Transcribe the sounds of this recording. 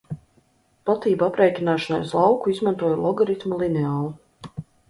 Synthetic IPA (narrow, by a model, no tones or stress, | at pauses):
pat̪iːbapɾɛːjkʲinaːʃɔna̰jslˠɑwkuizmant̪uɔjlˠɔɡɔɾit̪mulˠineaːlˠu